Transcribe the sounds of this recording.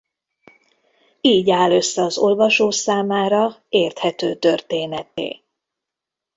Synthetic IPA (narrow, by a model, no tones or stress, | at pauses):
iːɟaːlø̞sːɛɒzo̞lvɒʃoːsaːmaːɾɒeːrt̪hɛt̪øːt̪ø̞rt̪eːnɛt̪ḛː